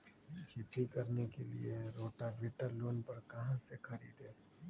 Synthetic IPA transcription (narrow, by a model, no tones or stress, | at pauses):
kit̪ikɐɾnekelḭeɾoːʈaʋɪːʈəɾloːnpɐɾkɐɦãsexɐɾḭːd̪ɦẽː